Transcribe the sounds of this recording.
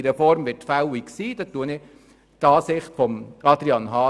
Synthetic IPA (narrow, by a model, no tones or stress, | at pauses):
ɾəfɔɾmʋɪtfæwiksiːd̥̪ɑt̪ːuənɪ | t̪ɑːsɪχtfɔmɑd̪ɾiɑnɦɑː